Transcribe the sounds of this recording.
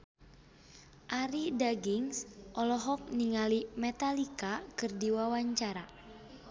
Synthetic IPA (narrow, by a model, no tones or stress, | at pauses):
ʔaɾidaɡiŋsʔɔlɔɦɔk̚niŋalimɛt̪alikakɨrdiwawaɲt͡ʃaɾa